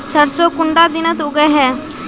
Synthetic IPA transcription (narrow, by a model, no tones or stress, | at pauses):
səɾsokʊɳɖad̪ɪnət̪ʊɡəɦɛː